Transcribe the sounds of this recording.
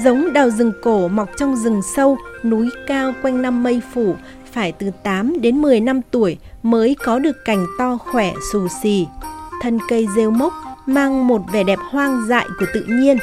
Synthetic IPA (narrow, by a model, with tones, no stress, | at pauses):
zə˨˦wŋ͡mɗaː˨˩wzɨ˨˩ŋko˧˩ma˨˩wk͡p̚t͡ɕɔ˧wŋ͡mzɨ˨˩ŋsə˧wnu˨˦jkaː˧wkwa˧jŋ̟na˧mːə˧jfu˧˩ | faː˧˩jt̪ɨ˨˩t̪aː˨˦mɗe˨˦nmɨ˨˩əjna˧mt̪u˧˩əjməː˨˦jkɔ˨˦ɗɨ˨˩əkːa˧˩jŋ̟t̪ɔ˧xwɛ˧˩su˧˩si˧˩t̪ʰə˧nkə˧jze˧wmə˦˥wk͡p̚maː˧ŋmo˨˩t̚vɛ˨˧˩ɗɛ˨˩p̚hwaː˧ŋza̰ː˧˨jku˧˩ət̪ɨ̰˧˨ɲi˧ən